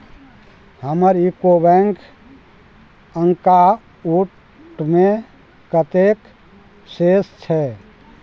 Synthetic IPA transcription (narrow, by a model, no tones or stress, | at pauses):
həməɾikobɛ̃ŋk | əŋka | u | ʈme | kət̪ek | sest͡ʃʰɛ